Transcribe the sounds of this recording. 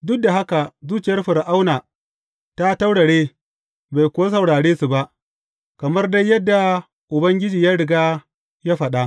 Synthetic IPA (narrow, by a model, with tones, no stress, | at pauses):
dʊ˦k̚da˨ɦa˦ka˨zuː˦t͡ʃɪ˨jɐ˦rɸɪ˨ɾʔa˦wnaː˨ | ta˦ta˦wɽɐ˨ɽeː˦ | ba˨jkʷʊ˨wa˦s̬ɐ˨wɽaː˨ɽeː˦su˨ba˦ʔ | kɐ˨mɐ˦rda˦jːɐ˦dːa˨ | ʔʊ˨bɐ˦ŋɡʲɪ˦d͡ʒiː˨jaː˦ɽɪ˨ɡaː˦ | ja˦ɸɐ˨ɗa˦ʔ